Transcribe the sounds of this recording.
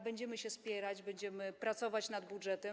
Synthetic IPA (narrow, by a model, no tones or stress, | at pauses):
bɛɲd͡ʑɛmɘɕɛspʲjɛɾad͡ʑbɛɲd͡ʑɛmɘpɾat̪sɔvat͡ɕnad̪budʐɛt̪ɛ